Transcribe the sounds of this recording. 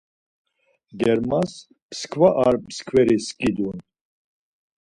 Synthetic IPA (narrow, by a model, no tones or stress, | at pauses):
ɡ̪ɛɾmas | pskʰvaʔaɾpskʰvɛɾiskʼid̪un